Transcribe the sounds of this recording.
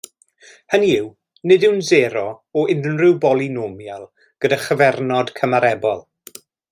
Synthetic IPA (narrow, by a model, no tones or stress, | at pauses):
həniɪw | nɨdɪwnzɛːɾɔɔɪnrɪwbɔlˠinoːmjalˠ | ɡ̥ədaχəvɛrnɔd̥kʰəmaɾɛbɔlˠ